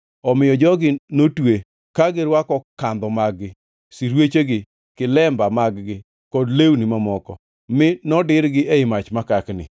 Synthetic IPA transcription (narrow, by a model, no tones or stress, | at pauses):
ɔmɪjɔd͡ʒɔɡɪnotwe | kaɡɪɾwakɔkand̪ɔmaɡːɪ | siɾwet͡ʃeɡɪ | kɪlɛmbamaɡɡɪ | kɔdlewnɪmamɔkɔ | mɪnɔdɪɾɡɪeɪmat͡ʃmakaknɪ̰